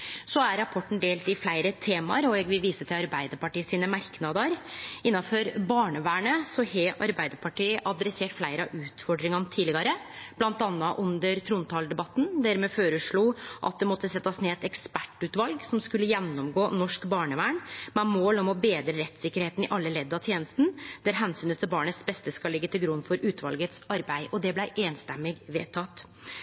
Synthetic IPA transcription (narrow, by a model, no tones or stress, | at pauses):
sɔæɾɾɑpʰɔʈːɳ̩d̪eːlt̪ɪflæɪɾət̪ʰeːmɑ̰ɾɔɛɡʋɪlʋiːsət̪ʰɪlɑɾbæɪd̪əpɑʈiːəsiːnəmɑɾknɑd̪əɾɪnːɑfɔɾbɑːɳəʋæːɳəsɔhɛʔɑɾbæɪd̪əɾpʰɑʈiːʔɑd̪ɾɛseːʈflæɪɾəɑʉːt̪fɔɖɾɪŋɑnət̪ʰiːlɪɡɑɾəb̥lɑnt̪ɑnːɑʔʉnd̪əɾt̪ʰɾuːnt̪ʰɑːld̪ɛbɑt̪ːn̩d̪æɾmɛføːɾəʂɭuːʔɑ̰t̪̚d̪ɛmɔt̪ːəsɛt̪ːɑsneːɛt̪ɛkspæʈːʉːt̪ʋɑlɡsɔmskʉlːəjɛnːɔmɡoːnɔʂkbɑːɳəʋæːɳmɛmoːlɔmɔbeːd̪ɾəɾɛt̪ːsɪkːəɾheːt̪n̩ɪʔɑlːəlɛd̪ːɑt̪ʰjeːnəst̪ən̩d̪̥æɾɦænsyːnət̪ʰɪlbɑːɳəsbɛst̪əskɑlɪɡːət̪ʰɪlɡɾʉnːfɔɾʔʉːt̪ʋɑ̰lɡət̪sɑɾbæɪʔɔd̪ɛblæɪʔeːnst̪ɛmːɪɡʋeːt̪ʰɑt̪